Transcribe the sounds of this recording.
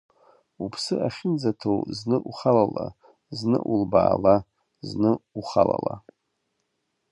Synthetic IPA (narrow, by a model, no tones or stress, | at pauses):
upʰsɨaχʲɪnd͡zatʰowznɨʔuχalala | znɨ̰ʔulbaːla | znɨuχalala